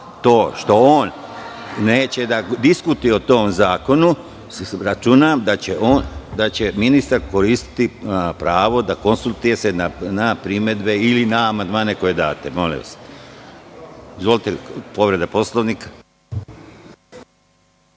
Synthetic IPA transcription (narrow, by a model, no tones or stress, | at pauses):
t̪o̞ːʃt̪o̞oːn | ne̞ːt͡ɕe̞d̪ad̪iskut̪ujeot̪o̞ːmzaːko̞nu | ɾat͡ʃunamd̪at͡ɕeʔoːnd̪at͡ɕe̞minist̪aɾko̞ɾist̪i̥t̪ipɾaːʋo̞d̪ako̞nsulˠt̪uje̞se̞nanapɾime̞d̪be̞ilinaːmand̪maːne̞ko̞je̞d̪a̰ːt̪emo̞lḭo̰se̥ | izʋolˠit̪epo̞ʋɾe̞d̪apo̞slˠoʋniːkḁ